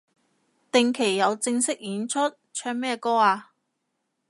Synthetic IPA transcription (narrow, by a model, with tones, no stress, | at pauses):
t̪ɪ˨˧ŋkʰe˨˩jːɐ˨˧wt͡sɪ˧ŋsɪ˥k̚jiː˨˧nt͡ʃʰɵ˥t̚ | t͡ʃʰœː˥k̚mɛː˥kɔː˥aː˧